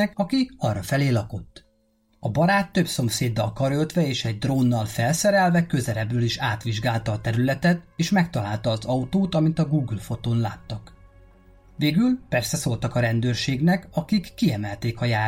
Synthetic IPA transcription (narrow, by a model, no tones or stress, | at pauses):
ɛkɒkiɒrːɒfɛleːlɒko̞t̪ː | ɒbɒɾaːt̪ːøbso̞mseːd̪ːɒlkɒɾølt̪ʋɛeːʃɛɟ̚d̪roːnːɒlfɛlsɛɾɛlvɛkø̞zɛɾɛbrøːliʃaːt̪ʋiʒɡaːlt̪ɒːt̪ɛɾylɛt̪ɛt̪eːʃmɛkt̪ɒlaːlt̪ɒːzɒut̪oːt̪ɒmint̪ɒɡuːɡylfo̞t̪oːnlaːt̪ːɒk | ʋeːɡylpɛrsɛsoːlt̪ɒkɒɾɛnd̪øːrʃeːɡnɛkɒkikːiɛmɛlt̪eːkɒjaː